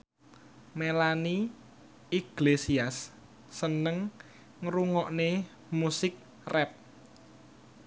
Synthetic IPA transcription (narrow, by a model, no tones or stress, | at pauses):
melani | iɡ̥lesiasː | ənəŋ | ŋɾuŋɔʔne | musɪk̚ | rɛp̚